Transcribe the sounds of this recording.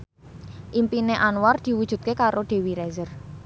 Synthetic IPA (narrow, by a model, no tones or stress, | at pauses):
ʔimpineʔanward̪̥i̤wud̥ʒ̥ṳt̪̚kekaɾoɖ̪̥e̤wiɾɛzər